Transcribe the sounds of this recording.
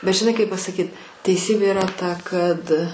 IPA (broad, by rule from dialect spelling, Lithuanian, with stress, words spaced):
bʲɛt ʒʲɪˈnɐɪ kɐɪp pɐsɐˈkʲiːt tʲɛɪˈsʲiːbʲeː ɪˈrɐ tɐ kɐt